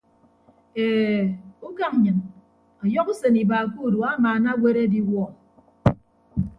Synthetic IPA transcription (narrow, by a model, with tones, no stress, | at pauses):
e˨u˦ka˨ŋ˨ɲɨ˨n | ɔ˨jɔ˦ku˦se˨ni˨baː˨ku˦˨du˨a˦maː˨na˦wʷe˦ɾe˦di˦wɔ˦˨